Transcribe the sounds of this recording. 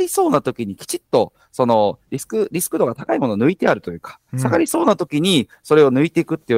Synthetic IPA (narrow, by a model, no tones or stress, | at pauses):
ɾʲiso̞ːnat̪o̞kʲiɲ̟ikʲi̥t͡ɕit̪ːo̞ | so̞no̞ɾʲisɨ̥kɯ̟ɾʲisɨ̥kɯ̟d̪o̞ɡat̪akaimo̞nonɯ̟it̪e̞aɾɯ̟t̪o̞jɯ̟ːkḁsaɡaɾʲiso̞ːnat̪o̞kʲiɲ̟i | so̞ɾe̞o̞nɯ̟it̪e̞kɯ̟t̪ːe